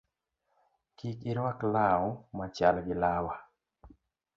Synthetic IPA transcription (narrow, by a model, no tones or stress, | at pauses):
kikiɾwaklaɔmat͡ʃalɡɪlawa